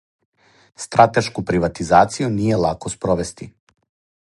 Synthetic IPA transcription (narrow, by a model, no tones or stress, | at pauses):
st̪ɾat̪eʃkupɾiʋat̪izaːt̪sijunije̞lˠakospɾoʋest̪i